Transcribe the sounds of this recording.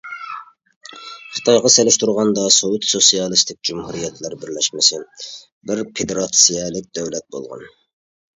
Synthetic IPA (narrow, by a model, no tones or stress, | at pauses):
χə̥ɨ̥t̪ʰɑjʁɑselɪʃt̪uɾʁɑnd̪ɑsowut̪sosijɑlˠɨst̪ʰɪk̚ʲd͡ʒumhuɾijɛt̪ʰlɛɾbɪɾlɛʃmɪsɪ | bɪɾpʰed̪eɾɑt̪sijɛlˠɪk̚ʲd̪ɛwlɛt̪̚bo̰lˠʁɑ̰n